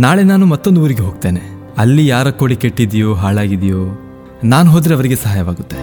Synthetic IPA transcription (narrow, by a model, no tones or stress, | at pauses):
naːɭe̞naːnumɐt̪ːo̞nd̪uːɾiɡeɦoːɡ̚t̪e̞ːne̞ | ɐlːijaːɾɐkːoːɽikeʈːid̪ijoːɦaːɭaːɡid̪ijoː | naːnuɦo̞ːd̪ɾeɐʋɐɾiɡesɐɦaːjɐʋaːɡut̪ːe̞